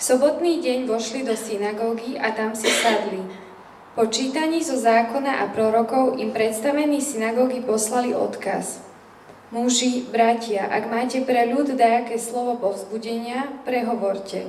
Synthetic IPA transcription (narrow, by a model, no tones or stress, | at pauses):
fsɔbɔt̪niːɟɛɲʋɔʃlid̪ɔsinaɡɔːɡiʔat̪amsisad̪li | pɔt͡ʃiːt̪aɲiːzɔzaːkɔnaʔapɾɔɾɔkɔʊʔimpɾɛt̪st̪aʋɛniːsinaɡɔːɡipɔslaliʔɔ̰t̪ka̰s | muʒibɾacɪaʔaɡmaːcɛpɾɛʎud̪d̪aakɛːslɔʋɔpɔvzbuɟɛɲɪapɾɛɦɔʋɔɾcɛ̰